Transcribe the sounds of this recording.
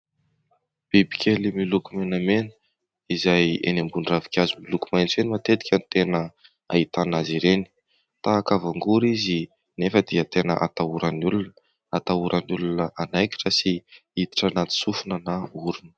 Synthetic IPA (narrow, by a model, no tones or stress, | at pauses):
b̥ibi̥kʰʲelimilukumenamenə | izajḛnambuɳɖ͡ʐavi̥kʲazimilukumajnt͡senimat̪et̪i̥kʲanit̪enə | a̰it̪anaziɾeni̥ | t̪aakavaŋɡuɾizi | nefəd̪iət̪enə̰ʔa̰t̪auɾanulun | at̪auɾʔanulunəʔanajkʲi̥ʈ͡ʂəsiit̪i̥ʈ͡ʂanat̪i̥sufunənauɾunə̥